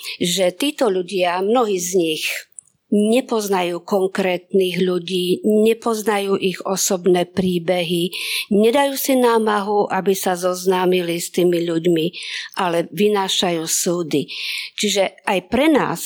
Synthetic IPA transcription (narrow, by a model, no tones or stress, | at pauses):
ʒɛt̪iːt̪ɔʎuɟɪamnɔɦiːzɲix | ɲɛpɔznajuːkɔŋkɾɛːt̪niːɣʎuɟiːɲɛpɔznajuːʔiɣɔsɔbnɛːpɾiːbɛɦiɲɛd̪ajuːsinaːmaɦuʔabisazɔznaːmilist̪iːmiʎuɟmiʔalɛʋinaːʃajuːsuːd̪it͡ʃiʒɛajpɾɛna̰ːs